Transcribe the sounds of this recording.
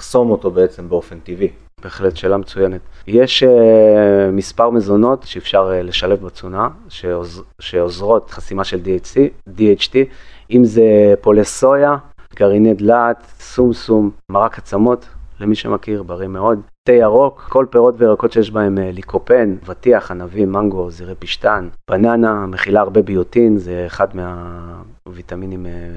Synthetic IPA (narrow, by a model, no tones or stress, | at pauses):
χso̞moto̞beet͡se̞mbeo̞fent̪ivi | b̥eːχletʃe̞ːlamet͡sujene̞t̪jeʃe | mispaʁmezo̞no̞tʃeːfʃaʁle̞ʃale̞fbat͡suna | ʃezʃeozʁo̞t̪χasimaʃe̞ldiidiet͡ʃtiimzepo̞leso̞jaɡ̥aʁinedlatsumsummaʁakat͡samo̞tlemiʃḛmakiʁbaʁimeo̞d̪tejaʁo̞kko̞lpeʁo̞tveʁako̞tʃejɛʃbae̞mlikʰope̞nvatiaχanavinmaŋɡo̞ziʁepiʃt̪anb̥ananameχilaːʁbebijotinzeːχadmea | vit̪aminim